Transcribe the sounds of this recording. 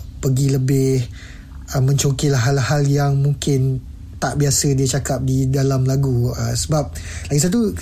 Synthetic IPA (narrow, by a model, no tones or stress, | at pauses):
pəɡiləbɪh | əmə̃ɲt͡ʃokilaɦalhaljaŋmũŋkɪn | t̪aʔbiasədiət͡ʃakap̚didalamlaɡuə̰səbap̚laɡis̬at̪̬u